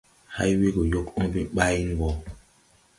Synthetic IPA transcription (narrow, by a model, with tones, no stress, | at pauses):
ha̰˦jwi˦ɡo˨jo˦kɔ̃˦bi˦ɓa˦ji˦ŋ˨ɡɔ˨